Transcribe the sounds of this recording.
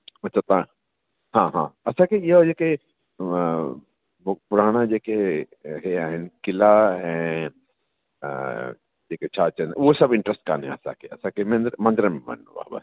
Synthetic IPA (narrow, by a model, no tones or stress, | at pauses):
ɐtːt͡ʃʰat̪ã | ɦãːɦã̰ːɐsãkejed͡ʒeːke | opʊɾaːɽ̃ad͡ʒeːke | ɦeaːɦɪnkɪlaɦɛ̃ː | d͡ʒeːket͡ʃʰaːt͡ʃɐnosɐbɪ̃ɳʈɾəsʈ̚kanɦɛ̰̃ɐsã̰keɐsãkemẽnd̪ɾmɐ̃nd̪ɾəmbɐ̰n̰ːba̰ːba̰